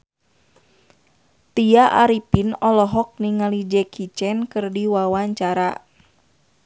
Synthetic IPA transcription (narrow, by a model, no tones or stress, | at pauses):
t̪iaʔaɾipinɔlɔɦɔk̚niŋalid͡ʒɛkʰit͡ʃɛnkɨrdiwawaɲt͡ʃaɾa